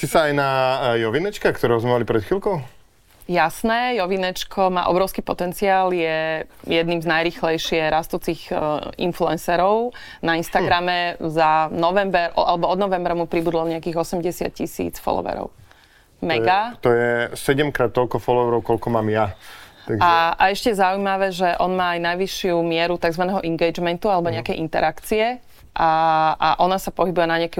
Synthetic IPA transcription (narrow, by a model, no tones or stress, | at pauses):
sisaːjnajɔʋinɛt͡ʃkakt̪ɔɾɛɦɔzmɛmalipɾɛt̪xilkɔʊ | jasnɛːjɔʋinɛt͡ʃkʰɔma̰ːʔɔbɾɔʊskiːpɔt̪ɛnt͡siaːljɛjɛd̪niːmznajɾiːxlɛjʃɪɛɾʔast̪uːt͡siːɣḭnfluɛnsɛɾɔʊ | nainst̪aɡɾamɛzanɔʋɛmbɛɾʔɔalɛbɔɔd̪nɔʋɛmbɾamupɾibud̪lɔɲɛakiːɣɔsɛmɟɛsɪa̰t̪̚cisḭːt͡sfɔ̰lɔ̰ʋɛ̰ɾɔ̰ʊ | mɛɡat̪ɔjɛsɛɟɛmkɾaːt̪̚ːɔlkɔfɔlɔʋɛɾɔʊkɔlkɔmaːmjat̪aɡaɛʔaɛʃcɛjɛzaujmaʋɛʒɛʔɔnmaːajnajʋiʃɪumɪɛɾut̪aɡzʋanɛɦɔʔiŋɡɛjd͡ʒmɛnt̪ualɛbɔɲɛakɛjʔint̪ɛɾakt͡siɛ | ʔaʔaʔɔnasapɔɦibujɛnaɲɪakɛ